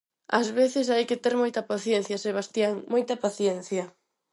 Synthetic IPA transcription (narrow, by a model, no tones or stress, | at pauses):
ɐzβeθɪsajkɪt̪eɾmojt̪ɐpaθjɛnθjɐseβ̞ast̪jaŋmojt̪ɐpaθjɛn̟θjɐ